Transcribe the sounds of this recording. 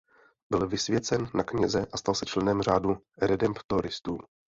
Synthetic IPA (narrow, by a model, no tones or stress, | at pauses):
bɪlvɪsvjɛt͡sɛnːakɲɛzɛʔast̪alsɛt͡ʃlɛnɛmr̝aːdu | ɾɛdɛmpt̪oɾɪst̪uː